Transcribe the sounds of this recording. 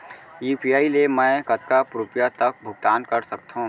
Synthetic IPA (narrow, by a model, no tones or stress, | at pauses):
iːpijaːilemɛ̃kɐt̪̚kapɾupjat̪ɐk̚bʱʊɡ̚t̪aːnkɐɾsɐk̚t̪ʰɦũ